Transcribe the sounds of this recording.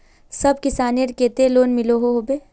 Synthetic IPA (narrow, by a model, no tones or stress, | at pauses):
sɐbkɪsaːniəɾkeːt̪eloːnmɪloɦoɦoːbeː